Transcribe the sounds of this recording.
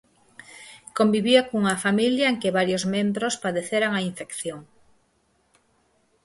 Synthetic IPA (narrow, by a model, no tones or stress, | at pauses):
kombiβiakuŋɐfamiljɐeŋkeβaɾjozmẽmbɾospaðeθeɾaŋaiɱfekθjoŋ